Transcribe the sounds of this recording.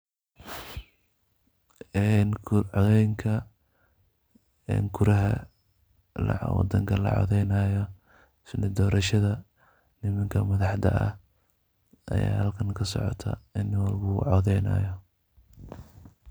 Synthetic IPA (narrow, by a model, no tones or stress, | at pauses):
ɛnʕɔðɛjŋkʰɐ | ɛ̰ŋɡʰʊɾɐɦɐ̰ | lɐ̰wɑ̰d̪ɐŋkʰɐlɐ̰ʕɔ̰ðɛjnaːjɔ | sɪdɪd̪ɔːɾɐʃɐðɐ | nɪmɐŋkʰɐmɐðɑħd̪ɐ̰ʔɐ̰h | ʔɐ̰ja̰ːhɐlkʰɐnkʰɐsɔ̰ʕɔ̰t̪ʰɐ̰ɪnɪwlbuːʕɔðɛjnɐ̰ːjɔ